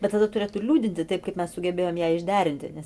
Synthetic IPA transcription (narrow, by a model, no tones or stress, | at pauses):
bʲɛt̪t̪ɐd̪ɐt̪ʊɾʲeːt̪ʊɪlʲuːd̪ʲɪnʲt̪ʲɪt̪ɐɪpkɐɪpmʲɛssʊɡʲɛbʲeːjoːmjæːɪʒʲd̪ʲæːɾʲɪnʲt̪ʲɪ̰nʲɛs